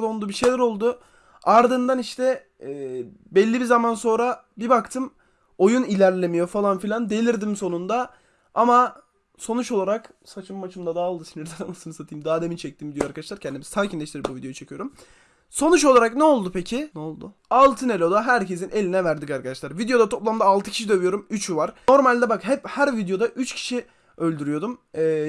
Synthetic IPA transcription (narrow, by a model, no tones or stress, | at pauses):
d̪onˠd̪uːbiʃe̞jlʲɛɾo̞lˠd̪ʊ | aɾd̪ɯnd̪aniʃt̪ʰɛː | bɛlʲːibizamanso̞nɾa | bibakt̪ʰɯm | o̞junilʲæɾlʲemijo̞falˠanfilʲand̪e̞lʲiɾd̪imso̞nund̪a | ama | so̞nut͡ʃo̞lˠaɾaksat͡ʃʰɯmːat͡ʃʰɯmd̪ad̪aːlˠd̪ɯsinʲiɾd̪ananasɯnɯsat̪ʰijimd̪aːd̪e̞mint͡ʃʰɛc̚t̪ʰimvid̪joaɾkʰad̪aʃlˠaɾcʰɛnd̪imiz̥t̪ʰaːcʰinlʲɛʃt̪iɾip̚buvid̪eout͡ʃʰe̞cʰɯjo̞ɾum | so̞nut͡ʃo̞lˠaɾaknɛo̞lˠd̪upʰecʰinɛolˠd̪ʊ | alˠt̪ʰɯne̞lʲo̞d̪aɦæɾcʰe̞sine̞lʲinɛvæɾd̪ikaɾkʰad̪aʃlˠaɾvid̪jo̞d̪at̪ʰo̞plˠamd̪aːlˠt̪ʰɯ̥cʰi̥ʃid̪ø̞vyjo̞ɾumyt͡ʃʰvaɾ̥o̞ɾmalʲd̪ɛbakɦɛphæɾvid̪jo̞d̪aʔyt͡ʃcʰi̥ʃi | ø̞lʲd̪yɾyjo̞d̪umɛː